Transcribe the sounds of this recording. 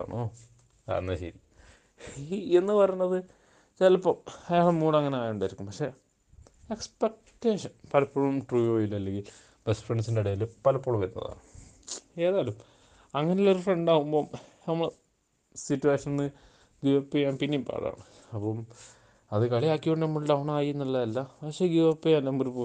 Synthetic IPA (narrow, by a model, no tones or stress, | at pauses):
ɐ̰ɳo | ka̰ːnːɐɕḛɾi | enːɨpɐrɐjnːɐðɨ | t͡ɕelɐpːɐmɐjaːɭmuːɽɐŋːɐneaːjuɳɖaːjiɾikːumpɐkʂe̞ | ekspek̚ | tːeːʂɐnpɐlɐpːoːɭumʈruːjoːjilːɐɐlːeŋɡil | b̥esfreɳɖɨsindeɽɐjɐlɨpɐlɐpːoːɭumʋɐɾnːɐ̰ða̰ːɳɨ | e̞ːðaːlum | ɐŋːɐnejoloɾufreɳɖaːɣumbo̞ːnɐmːɐɭ | sitːueːʂɐnnːɨ | ɡuʋɐpːijaːnpinːejumpa̰ːra̰ːɳɨ | ɐpːom | ɐðɨkɐɭiaːkʲːioɳɖnɐmːɐɭilʈ̪ɐʋɐɳaːjiunːɐlːɐɐlːɐpɐkʂe̞ɡuʋɐpːijaːnnɐmːɐoɾupo